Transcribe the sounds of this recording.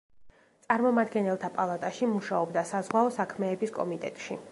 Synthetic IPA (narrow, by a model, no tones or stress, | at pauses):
t̪sʼaɾmɔmad̪ɡɛnɛlˠt̪ʰapʼalˠat̪ʼaʃimuʃaɔbd̪asazʁwaɔsakʰmɛːbiskʼɔ̰mit̪ʼɛ̰t̪ʼʃi